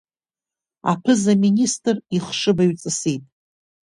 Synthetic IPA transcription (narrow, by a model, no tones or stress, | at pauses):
a̰pʰɨzaministʼriχʂɨbaɥt͡sʼɨsitʼ